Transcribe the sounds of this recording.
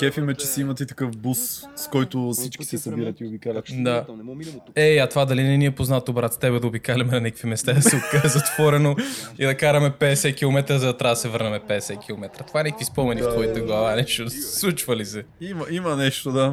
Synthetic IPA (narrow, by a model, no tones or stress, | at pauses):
kʲɛfimɛt͡ʃɛsiimɐt̪it̪ɐkɤfbusskɔjt̪ʊsit͡ʃkʲi̥sɛsɐbiɾɐt̪iobikalʲɐd̪a | ɛɐt̪ovad̪ɐlinɛniɛpoznat̪obɾat̪t̪ɛbɛd̪ɐobikalʲɐmɛnɐnɛkə̥kvimɛst̪ad̪ɐsɛokazɐt̪v̥ɔɾɛnoid̪ɐkaɾɐmɛpɛd̪ɛsɛk̟ilˠomɛt̪ɾəzɐd̪ɐt̪ɾʲaɐd̪ɐsɛvəɾnɐmɛpɛd̪ɛsɛk̟ilˠomɛt̪ɾɐt̪o̥vaɛnɛkəvispɔmɛnift̪vɔjit̪ɐɡlˠɐvanɛʃt̪oslˠut͡ʃvɐlisɛimɐimɐnɛʃt̪od̪a